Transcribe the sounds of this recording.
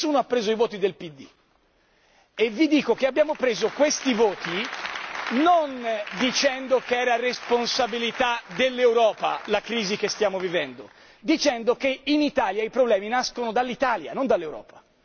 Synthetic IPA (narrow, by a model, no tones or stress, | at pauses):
uːnoapːɾeːzoivoːt̪id̪elpid̪ːḭ | evːid̪iːkok̟eabːjaːmopɾeːzokwest̪ivɔːt̪i | nond̪it͡ʃɛnd̪okeɛːɾaresponsabilit̪ad̪elːewɾɔːpa̰lakɾiːzik̟est̪jaːmovivɛnd̪o | d̪it͡ʃɛnd̪okeinit̪aːljaipɾoblɛːminaskonod̪alːit̪aːlja̰nond̪alːewɾɔ̰ːpḁ